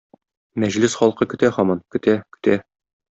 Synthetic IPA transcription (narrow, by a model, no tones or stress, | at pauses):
mæʑlɘsχɒlˠqɤkɵ̆t̪æhɒmɑnkɵ̆t̪ʰækɵ̥̆t̪æ